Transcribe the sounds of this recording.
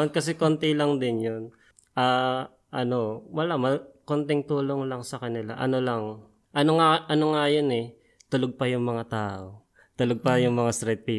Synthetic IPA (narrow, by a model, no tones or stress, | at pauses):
ɐnkɐsɛkont̪ɛlɐŋd̪ɪnjon | ʔaː | ʔɐno̞wɐlamɐkont̪ɪŋt̪uːlo̞ŋlɐŋsɐkɐnɪla̰ʔɐ̰no̞lɐŋ | ʔɐnoŋaʔɐnoŋajonɛ | t̪ʊloɡ̚pɐjʊŋmɐŋat̪aːʔo̞ | t̪ʊloɡ̚pɐjʊŋmɐŋast̪ɾɛt̪̚pi